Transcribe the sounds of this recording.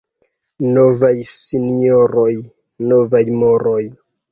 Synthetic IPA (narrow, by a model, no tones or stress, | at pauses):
novajsinioɾoj | novajmoɾoj